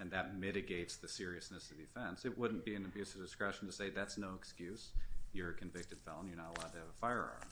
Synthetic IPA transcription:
ɨ̃nðɨt̚mɪɾɨɡeɪtsðɨsɪɹiɨsnɨsʌvðiɨfɛ̃nsɨt̚wʊdⁿn̩b̥iɨ̃nɨbjʉsʌvdɨskɹɛʃn̩tʰɨseɪðætsnoʊəkskjʉsjə˞ɨkʰɨ̃ɱvɪk̚tɨd̥fɛ̰lˠə̃njə˞nəɾəlaʊd̚tʰɨːvəfaɪə̰˞ɑ̰ɹn

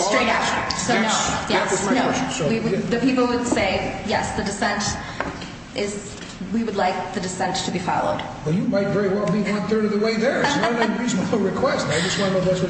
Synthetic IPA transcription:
stɹ̥eɪɾaʊt̚soʊnoʊjɛsɨnoʊswiwɨðɨpipl̩ˠwɨd̥seɪjɛsðɨdɨsɛ̃nt | ʔɪz | wiwɨdˡlaɪk̚ðɨdɨsɛ̃ntʰɨbifɑ̰lˠo̰ʊd̥ | b̥ʌt͡ʃjɨmaɪtvɛɹiwɛlˠbiʌ̃nθɜ˞ɾʌðəweɪðə˞sɹiznɹɨkʰw̥ɛstaɪd͡ʒʌswãɪ̃noʊðæswʌ

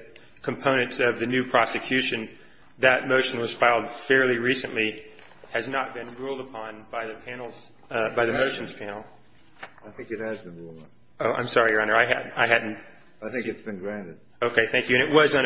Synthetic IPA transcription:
kʰm̩pʰõʊ̃nɨ̃ntsʌvðɨnʉpʰɹ̥ɑsɨkʰj̥ʉʃɨ̃n | ðɨt̚moʊʃnwʌz̥sfaɪlˠd̥fɛɹliɹisɨ̃nʔli | ɨznət̚b̥ɨ̃nɹulˠdəpʰɑ̃nbaɪðɨpʰæ̃nl̩ˠz̥ | baɪðɨmoʊʃɨ̃n̩z̥pʰæ̃nl̩ˠ | aɪθɪ̃ŋkɨt̚hɨzbɨ̃nɹulˠd | oʊã̰ɪ̃msɑɹiə˞ɑ̃nə˞aɪɦæd̩aɪɦædⁿn̩ | aɪθɪ̃kɨtsb̥ɨ̃nɡɹæ̃ntɨd̥̚ | oʊkʰeɪθæ̃ŋkjʉɨ̃nɨʔt̚wʌzɨ̃n

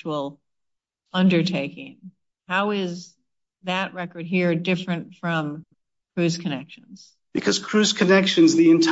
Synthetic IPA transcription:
l̩ˠ | ʌ̃ndə˞tʰeɪkɪ̃ŋ | haʊɪz | ðɨʔ̚ɹɛkə˞d̚ɦiɹdɪfɹɨ̃ntfɹʌ̃m | kʰɹ̥ʉz̥kʰɨnɛkʃɨ̃nz̥ | b̥ɨkʰʌz̥kʰɹ̥ʉz̥kʰɨnɛkʃɨ̃nzðiɨ̃ntʰ

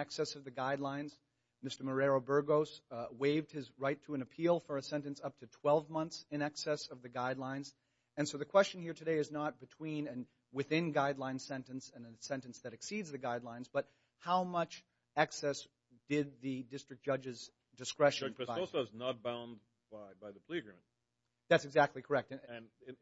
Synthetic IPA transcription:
ɛksɛsʌvðɨɡaɪdˡlãɪ̃nz̥ | mɪstə˞mə˞ɛɹoʊbɜ˞ɡoʊsweɪvd̚ɨzɹaɪtʰəɨ̃nɨpʰilˠfə˞ɨsɛ̃ntɨ̃nsʌp̚tʰɨtʰw̥ɛlˠvmʌ̃nθsɨ̃ñɛksɛsʌvðɨɡaɪdˡlãɪ̃nz | ɨ̃nsoʊðɨkʰw̥ɛst͡ʃɨ̃n̩hiɹtʰɨdeɪɨznət̚b̥ɨtʰw̥ĩnɨ̃n | wɨθɪ̃nɡaɪdˡlãɪ̃n̥sɛ̃ntɨ̃n̩sɨ̃nɨ̃sɛ̃ntɨ̃nsðɨɾɨksidzðɨɡaɪdˡlãɪ̃nzbʌt̚ | haʊmʌt͡ʃ | ɛksɛs | d̥ɪd̪̚ðɨdɪstɹ̥ɨk̚d̥ʒ̥ʌd͡ʒɨz | dɨskɹɛʃɨsaɔsoznət̚b̥ãʊ̃n | b̥aɪbaɪðɨpʰl̥iɨɡɹĩmɨ̃n | ðætsɨɡzæk̚tˡlikʰə˞ɛk̚tɨ̃nɨ̃n

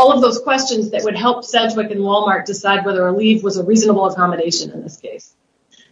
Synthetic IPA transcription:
ɔlˠʌvðoʊz̥kʰw̥ɛst͡ʃɨ̃nzðɨʔ̚wɨd̚ɦɛlˠpsɛd͡ʒwɪkɨ̃nwɔlˠmɑɹk̚d̥ɨsaɪd̚wɛðə˞əlivwʌzəɹiznəbl̩ˠəkɑmɨɾeɪʃɨ̃nɨ̰̃nðɪskʰeɪs

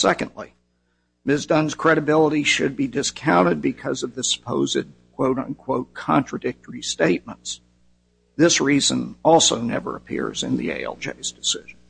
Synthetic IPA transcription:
sɛkɨ̃ndˡlḭ | mɪsdʌ̃nz̥kʰɹ̥ɛɾɨbɪlˠəɾiʃɨd̚bidɨskʰãʊ̃ɾ̃ɨd̚bɨkʰʌzʌvðɨsə̥pʰoʊzɨ̰d̚kʰw̥oʊɾʌ̰̃nkʰw̥oʊt̚kʰɑ̰̃nt͡ʃɹ̥ɨdɪk̚tə˞isteɪt̚mə̃nts | ðɪsɹizə̰̃nɔlˠsoʊnɛ̰və̰˞ɨpʰɪ̰ɹzɨ̰̃nðḭḛɪɛ̰lˠd͡ʒḛɪzdɨsɪʒn

